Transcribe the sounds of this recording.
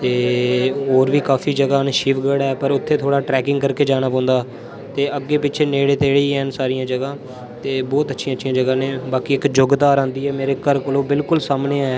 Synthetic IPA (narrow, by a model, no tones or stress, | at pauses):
t̪eːɦoːɾʋiːkaːfʰiːd͡ʒəɡaːnʃiːʋɡəɽɛːpəɾʊt̪ʰːeːt̪ʰoːɽaːʈɾɛːkɪ̃ŋɡkəɾkeːd͡ʒaːñaːpɔ̃ːnd̪aː | t̪eːəɡːeːpɪːt͡ʃʰeːneːɽeːt̪eːɽeːiːɛːnsaːɾijãːd͡ʒəɡãː | t̪eːbɔːt̪ətːʃʰiãːətːʃʰijãːd͡ʒəɡãːneːbaːkiːɪkd͡ʒʊɡd̪aːɾãːnd̪iːɦɛːmeːɾeːkəɾkəlõːbɪlkʊlsaːmneːɛː